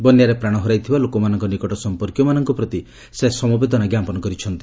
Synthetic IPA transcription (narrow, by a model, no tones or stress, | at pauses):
bɔnjaɾepɾaɽ̃ɔɦɔɾajt̪ʰibalokɔmanɔŋkɔnikɔʈɔsɔmpɔɾkjɔmanɔŋkɔpɾɔt̪i | sesɔmɔbed̪ʱɔnaɡjapɔnɔkɔɾit͡ʃʰɔnt̪i